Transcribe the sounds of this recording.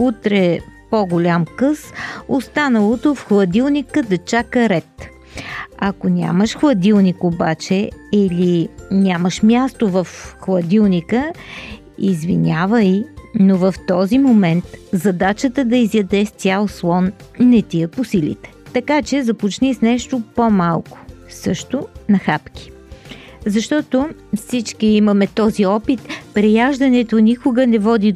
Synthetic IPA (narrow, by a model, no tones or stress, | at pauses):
ut̪ɾɛpoɡolʲamkɤsost̪anəlˠot̪ofxlˠɐd̪ilˠnikəd̪ɐt͡ʃakəɾɛt̪ | ɐkonʲa̰məʃxlˠɐd̪ilˠnikobat͡ʃɛilinʲaməʃmʲjast̪ovɐfxlˠɐd̪ilˠnikə | izvḭnʲavəinovɐft̪ɔzimomɛnt̪zɐd̪at͡ʃət̪əd̪ɐizjɐd̪ɛst̪ʲjalˠslˠɔnːɛt̪iəposilḭt̪ɛ̥t̪ɐkat͡ʃɛzɐpot͡ʃnisnɛʃt̪ʊpomalˠkʊ̥ | sɤʃt̪ʊnɐxapk̟i̥ | zɐʃt̪ɔt̪ofsit͡ʃkiimɐmɛt̪ɔziɔpit̪pɾɛjaʒd̪ɐnɛt̪onʲikʊɡənɛvɔd̪i